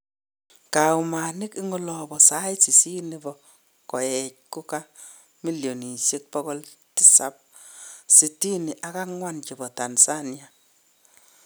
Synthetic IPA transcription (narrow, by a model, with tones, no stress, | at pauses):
ka˨wma˨nɪ˦ki˦ŋɔ˦lɔ˨bɔ˨sa˦jsi˨si˦ni˨bɔ˨ | kɔ˨jɛ˨c̚ku˦ka˦ | mi˦ljo˨ni˨se˦k̚pɔ˦kɔ˦lti˦sa̰˦p̚ | si˨ti˦ni˨ʔa˦ka˦ŋwa˦nt͡ʃi˨bɔ˨ta˨nsa˦nia˨